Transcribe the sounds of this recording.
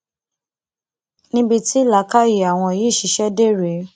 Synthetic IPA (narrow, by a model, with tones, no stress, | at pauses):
nĩ˦bi˧ti˦la˨˦ka˦ji˨a˨w̃ɔ̃˧˨jiː˨˦˨ʃi˧˦ʃɛ˦de˦˨ɾe˨˦